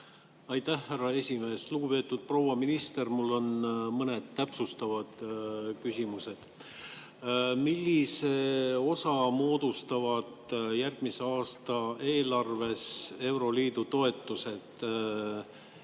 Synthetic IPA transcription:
ɑjt̪æhhærːɑe̞sʲime̞ːsluɡ̥upe̞ːt̪ːˑud̪̥̚pro̞wɑminist̪e̞rmulːo̞nmɤne̞d̪̥̚t̪ːæpsust̪ɑvɑd̪̥kysʲimuse̞d̪̥ | milːise̞o̞sɑmo̞ːd̪̥ust̪ɑvɑd̪̥jærɡ̥̚miseɑːst̪ɑe̞ːlɑrve̞se̞wɾo̞liːd̪ut̪o̞e̞t̪ːˑuse̞d̪̥

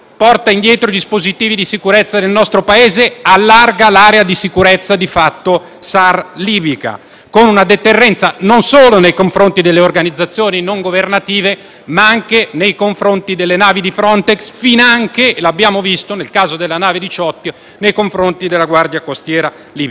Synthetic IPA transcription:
pɔrt̪aind̪jɛːt̪ɾoid̪ispozit̪iːvid̪isikuɾet̪sːad̪elnɔst̪ɾopaeːzealːarɡalaːɾead̪isikuɾet̪sːad̪ifat̪ːo | sarliːbika̰ | konunad̪et̪erːɛnt̪sanonsoːlonejkoɱfɾont̪id̪elːeorɡanid̪zːat̪sːjoːninoŋɡovernat̪iːve | maaŋkenejkoɱfɾont̪id̪elːenaːvid̪ifɾɔnt̪eksfinaŋkelabːjaːmovist̪onelkaːzod̪elːanaːved̪it͡ʃɔt̪ːjo | nejkoɱfɾont̪id̪elːaɡward̪jakost̪jɛːɾa | liːb

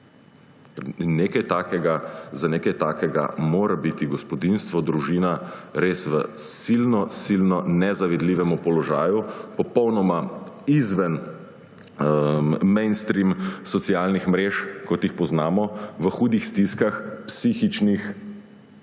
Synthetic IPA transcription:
neːkajt̪aːkɛɡazaneːkajt̪aːkɛɡa̰moːɾabit̪iɡɔspɔd̪inst̪ʋɔd̪ɾuʒiːnaɾesʋəsilnɔsilnɔnɛzaʋɛd̪liːʋɛmupɔlɔʒaːjupɔpɔwnɔmaizʋɛn | mɛ̃nst̪ɾimsɔt̪sijaːlnixmɾeːʃkɔt̪jixpɔznaːmɔʋəxuːd̪ixst̪iskaxpsixit͡ʃnix

